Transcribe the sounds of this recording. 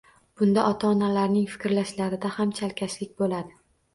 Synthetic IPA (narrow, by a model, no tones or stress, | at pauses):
b̥ʊnd̪aʔɒt̪ʰaɒnalaɾnɪŋfɪ̥kʲɾlaʃlaɾɪd̪ahamt͡ʃʰalkʲʰaslɪkʲbolad̪ɪ